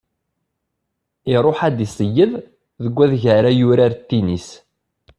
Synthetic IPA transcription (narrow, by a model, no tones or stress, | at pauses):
iɾˤoħæd̪isˤəjːəð | ðəɡʷːæðʝəɾajʊɾaɾt̪ːinis